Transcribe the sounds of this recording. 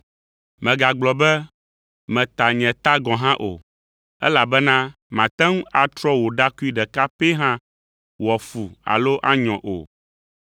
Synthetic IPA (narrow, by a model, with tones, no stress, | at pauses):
mɛ̃˨ɡa˨ɡ͡blɔ˨bɛ˦ | mɛ̃˨t̪a˨ɲɛ̃˨t̪a˦ɡɔ̃˨ɦã˦ʔo̰˨ | ɛ̰˦la˨bɛ˦nã˦ | mã˨t̪ɛ̃˦ŋũ˦a˨t̪ɾɔ˦wo˨ɖa˦ku˦i˦ɖɛ˨ka˦pe˦ɦã˦ | wɔ˨fu˨a̰˨lo˦ʔa˦ɲɔ̃˨ʔo̰˨